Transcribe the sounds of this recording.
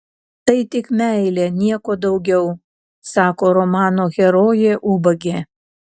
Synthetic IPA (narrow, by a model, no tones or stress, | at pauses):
t̪ɐɪt̪ʲɪkmʲæˑɪlʲeːnʲiɛkoːd̪ɐʊɡʲɛʊ | sɑːkoːɾomɑːnoːɣʲɛɾoːjeːʔuːbɐɡʲeː